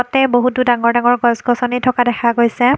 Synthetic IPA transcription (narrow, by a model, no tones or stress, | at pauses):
ɔtɛboɦutudaŋɔɹdaŋɔɹɡɔsɡɔsɔnitʰɔkadɛxʰaɡojsɛ